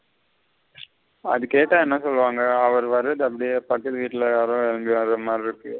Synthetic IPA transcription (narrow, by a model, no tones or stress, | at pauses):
ɐ̰ðɯkːeːʈːaːɛnːãsɔlːʋaːŋɡɐɐʋɐɾʋɐɾːɐðɯɐpːɐɽɪjepɐkːɐt̪ːɯʋiːʈːɪlɐjaːɾõɛɾɐmbɪʋɐɾɐmaːdɾɪɾɯkːɯ